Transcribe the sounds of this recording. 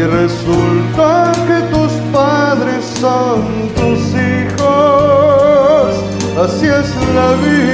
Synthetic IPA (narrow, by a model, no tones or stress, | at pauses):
result̪aket̪uspaðɾesːon | t̪usixo | s | asieslaβi